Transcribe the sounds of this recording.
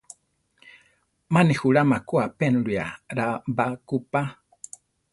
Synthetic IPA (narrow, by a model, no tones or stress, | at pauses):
manihuɺamakuapɛnɺija̰ɾabakupa